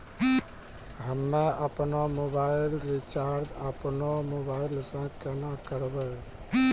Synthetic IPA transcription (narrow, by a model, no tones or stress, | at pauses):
ɦəmːeəpnomobaɪilɾit͡ʃaɾd̪əpnomobaɪlsãkɛnakəɾbɛ